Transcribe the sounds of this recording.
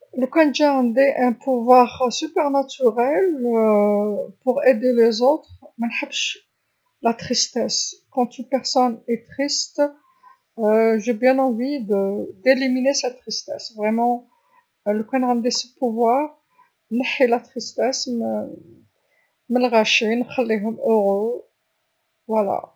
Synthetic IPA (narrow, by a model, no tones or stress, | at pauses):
ləkwɛ̃nd͡ʒaʁɑ̃nd̪eʔɛ̃pʰuvwaʁsypɛʁnat̪yʁɛl | puʁed̪elezot̪χmænħəbʃ | lat̪χist̪ɛskɑ̃t̪ynpɛʁsɔnɛt̪χist̪ | ʒebjɛ̃nɑ̃vid̪əd̪eliminesɛt̪ːχist̪ɛ̰svʁɛmɑ̃ | ləpɛd̪ʁamd̪esəpuvwaʁ | nəħilat̪χist̪ɛsm | məlʁaʃinxəlːiɦʊmøʁø | vwala̰